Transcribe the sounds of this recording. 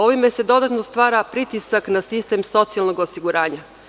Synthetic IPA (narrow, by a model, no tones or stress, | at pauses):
o̞ʋime̞se̞d̪o̞d̪at̪no̞st̪ʋaːɾapɾit̪isaknasist̪emso̞t̪sijalˠno̞ɡosiɡuɾaːɲa